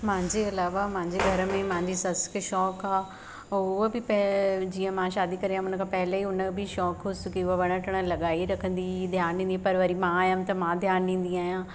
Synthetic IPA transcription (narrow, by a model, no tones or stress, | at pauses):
mãɪ̃ɲd͡ʑeɐlaːʋamãɪ̃ɲd͡ʑeɡʱɐɾə̆mẽmãɦɪ̃ɲd͡ʑisɐskʃɔːkaː | ʊɦobɪpɐd͡ʑiːə̃mãʃaːd̪ikɐɾiãɦʊnə̆kʰãːpɐɦɪleiʊnəbɪʃɔːkɦʊsʊkiʊɦoʋɐɽ̃əʈʰəɽ̃ə̆lɐɠaːiɾɐkʰə̃nd̪id̪ʱjaːnĩːnd̪iãpɐɾʋɐɾimãaːjəmt̪ɐmãːd̪ʱjaːnɖĩːn̆d̪iaːɦijãː